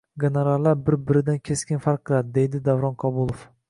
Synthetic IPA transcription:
ɡʲeneɾallːaɾbɪɾbɪɾɪd̪ankʲʰe̞skʲɪnfaɾq̚ʰːɨlˠad̪ɪd̪e̞jd̪ɪd̪avɾɒnqʰɒbʊlˠof

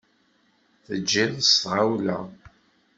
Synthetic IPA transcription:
θəd͡ʒːiðəstʁawlæ̰

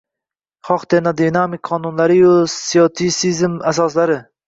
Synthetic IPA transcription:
χɒqd̪enad̪inamikqʰːɒnʊnlaɾɪjosijot̪ʰisizmasɒslaɾɪ

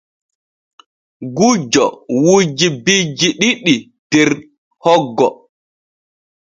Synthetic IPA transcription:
ɡud͡ʒɔ̰wud͡ʒibid͡ʒiɗiɗi | d̥ɛɾ | hɔɡːɔ

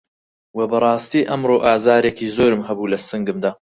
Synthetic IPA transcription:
wɐbɐrˤɑːst̪iːʔɐmroːʔaːzaːɾekiːzoːɾɨmɦɐbuːlɐsɨŋɡɨmd̪aː

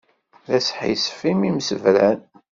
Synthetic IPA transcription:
ðæsħḭsfimimsəvlæn

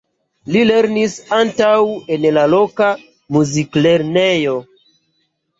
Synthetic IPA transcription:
lile̞ɾnisantawe̞nlalo̞ka | muzikle̞ɾnejo̞

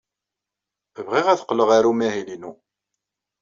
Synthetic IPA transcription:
əvʁiʁæθə̥qːləʁaɾumæɦilinu

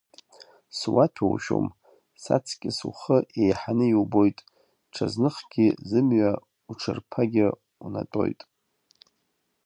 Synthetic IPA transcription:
swatʰowʃo̰m | sa̰t͡sʰkʲʼɪsuχəʔejħanɨiwbo̞jtʼ | ʈ͡ʂʰaznɨχɡ̥ʲizɨmɥa | uʈ͡ʂʰɨrpʰaɡʲɪ | una̰tʼo̞jtʼ

